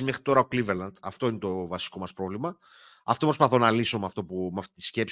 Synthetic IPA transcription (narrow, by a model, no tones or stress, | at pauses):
imexɾit̪o̞ɾɐokliveɾlɐnd̪ɐft̪o̞ine̞t̪o̞vɐsi̥ko̞mɐspɾo̞vlimɐ | ɐft̪o̞pɾospɐθo̞nɐliso̞mɐft̪o̞pumɐft̪it̪i̥sce̞ps